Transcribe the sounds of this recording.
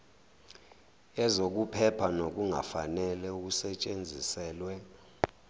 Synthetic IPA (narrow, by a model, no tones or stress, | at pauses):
ɛzok̬upʰɛpʰanok̬uŋa̰fanɛlɛuk̬usɛt͡ʃʼend͡zʱisɛːlwɛ